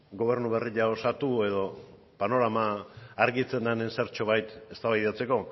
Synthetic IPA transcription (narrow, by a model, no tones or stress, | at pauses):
ɡo̞β̞e̞ɾnuβe̞riʎao̞sat̪ue̞ðo̞ | pano̞ɾamaːɾɣit͡se̞nd̪anenseɾt͡ʃo̞βajt̪e̞st̪aβajðat͡se̞ko̞